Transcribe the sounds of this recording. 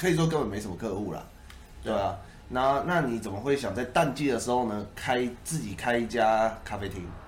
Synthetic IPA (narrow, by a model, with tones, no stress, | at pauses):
kʰɤ˧˥i˨˩ʂ̬wɔ˥k̬ə˦nbə˨nme˧ɪʂə˨mə˦kʰɤ˥˧u˥˩lɐ̰˩ | t̪we˥˩ɪɐ˩ | na˧˦˥na˥˨ni˨˩t͡sə˨˩nmə˦xwe˥˩ɪɕjɑ˨˩ŋt͡sa˥˧ɪt̪a˥˧nt͡ɕi˥˩d̪ə˩ʂɻ̩˧˦xo˥˩ʊnə˨˦kʰa˦˥ɪt͡sɹ̩˥˩t͡ɕi˨˩kʰa˥ɪi˧˩t͡ɕja˦kʰa˥fe˥t̪ʰi˧˥ŋ